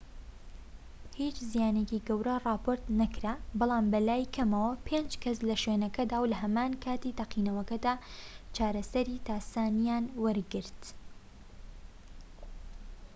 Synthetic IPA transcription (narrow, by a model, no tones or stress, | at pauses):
hiːt͡ʃzijaːneciɡɐwɾɐrˤɑːpʰoːɾt̪nɐkɾabɑlˠaːmbɐlaːjkʰɐmɐwɐpʰend͡ʒkʰɐslɐʃweːnɐkɐd̪aːwlɐɦɐmaːnkʰaːt̪it̪ɐqinɐwɐkɐd̪aːt͡ʃaːɾɐsɐɾit̪aːsaːnijanwɐɾɡɨɾt̪